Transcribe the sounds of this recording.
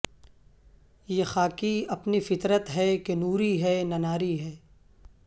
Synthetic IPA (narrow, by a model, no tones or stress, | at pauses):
jexaːkiɐpnifɪt̪ɾət̪ɦɛkenuːɾiɦɛːnɐnaːɾiɦɛː